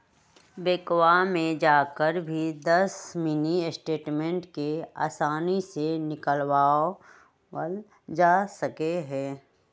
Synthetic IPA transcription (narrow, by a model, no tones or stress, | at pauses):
beːkwamẽd͡ʒaːkəɾbʱid̪ɐsmɪnisʈeːʈmẽɳʈkea̰ːsaːnisenɪkəlwaːo | ə | d͡ʒaːsəkeɦɛ̃ː